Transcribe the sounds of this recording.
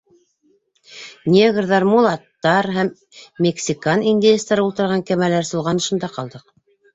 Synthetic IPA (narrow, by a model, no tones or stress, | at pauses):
nʲeɡrðɑɾmulˠɑt̪ːɑɾɦæmːʲ | eksʲikaninʲd̪ʲiest̪ɑɾɤulˠt̪ɤ̆ɾʁɑŋkæmælæɾsŏlˠʁɑnɤ̆ʃɤ̆nd̪ɑqɑlˠd̪ɤq̚